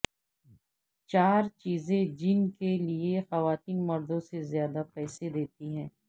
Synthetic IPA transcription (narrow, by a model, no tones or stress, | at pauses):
t͡ʃaːɾt͡ʃiːzẽd͡ʒɪnkeliexɐʋaːt̪iːnmɐɾd̪õsezjaːd̪apɛːsed̪eːt̪iɦɛ̃ː